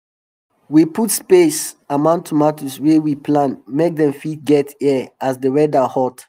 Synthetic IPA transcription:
wiputspesamãʊ̃ntʰumatuswɛwipʰlãnmek̚dɛ̃mfit̚ɡɛtɛasdəɹɛdahɔt

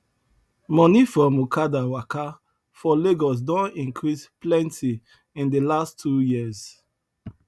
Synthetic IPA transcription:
mɔnifɹɔ̃mukʰadawaka | fɔleɡɔs̬dɔ̃nĩŋkʰɹisplɛ̃ntʰi | ĩndəlastʰːujiəz̥

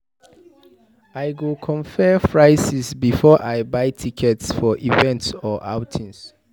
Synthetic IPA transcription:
ajɡukʰɔ̃ɱfɛfɹaɪsisbifɔʔajbaɪtʰikʰɛtsfɔʔivɛ̃ntsɔʔa̰ʊtʰĩns

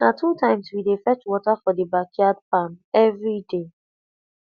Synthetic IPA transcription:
natʰutãɪ̃mswidefɛt͡ʃwɔtafɔdibakʰjad̚pãnɛvɹide

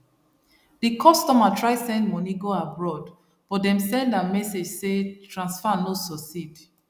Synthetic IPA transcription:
dikʰɔstɔmatʰɹaɪsɛ̃ndmɔniɡoabɹɔd | b̥ɔdɛ̃msɛ̃ndãmɛsed͡ʒsetʰɹãnsfanosɔsid

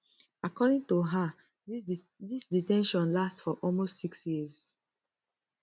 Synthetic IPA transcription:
akɔdĩŋtuɦa | disditɛ̃nʃɔ̃nlastfɔʔɔlmostsiksjiəz

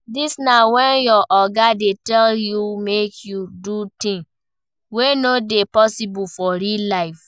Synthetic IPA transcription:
disnawɛ̃njɔʔɔɡadetɛljumekʰjudutĩn | wenodepɔsibufɔɾilaɪf

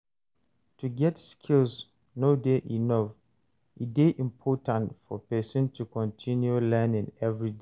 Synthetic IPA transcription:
tʰuɡɛtskʰils | nodeʔinɔf | ʔideʔĩmpʰɔtãntfɔpɛsɔ̃ntʰukɔ̃ntʰĩnjulɛnɪ̃ŋɛvɹide

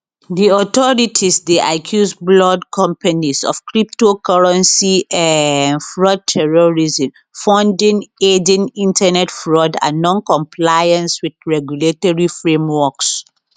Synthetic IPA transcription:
diɔtɔɹitʰisdeʔakʰjusblɔdkʰɔ̃mpanizɔ̰fkɹip̚tokɔɹɛ̃nsianfɹɔd̚tʰɛɹɔɹizĩm | fɔ̃ndĩŋed͡ʒĩnĩntanɛtfɹɔdã̰nːɔ̃nkɔ̃mpʰlajãnswidɹɛɡjuletɔɹifɹẽmwɔks

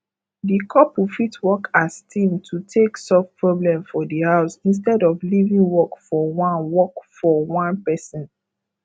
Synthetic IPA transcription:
dikʰɔpufitwɔkʰastʰĩmtʰutʰeksɔfpɹɔblɛ̃mfɔdihaʊsĩns̬tɛdɔflivĩŋwɔkfɔwãnwɔkfɔwãnpɛsɔ̃n

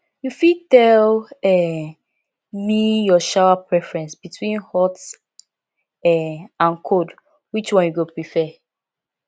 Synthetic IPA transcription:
jufid̚tɛlɛ | mijɔʃawapʰɹɛfɹɛ̃nsbitʰwĩnhɔt | ɛãnkʰod | wit͡ʃwɔ̃njuɡopɹifɛ

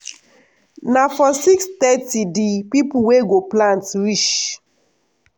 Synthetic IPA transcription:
nafɔsikst̪ɛtidipipuweɡoplãntɹiʃ

